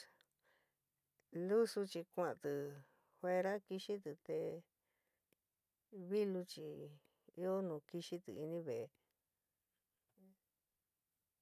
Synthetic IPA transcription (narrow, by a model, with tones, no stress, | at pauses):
lu˦su˧t͡ʃi˧kʷã˧˨˧t̪ɨ˧˨ | hwe˧ɾa˦ki˧ʃi˦t̪ɨ˧t̪e˧ | βi˦lu˧t͡ʃi˧ | i˦o˦nũ˨˧ki˧ʃi˦t̪ɨ̰˨i˧nĩ˦βe˨˧